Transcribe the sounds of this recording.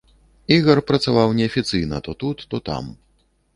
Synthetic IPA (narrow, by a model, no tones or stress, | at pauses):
iɣɐrpɾɐt̪savawnʲɛɐfʲit̪sɨjnɐ̰t̪ɔt̪ut̪ːɔt̪a̰m